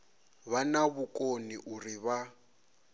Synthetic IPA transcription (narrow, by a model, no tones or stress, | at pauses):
βanaβukʼoniʔuriβa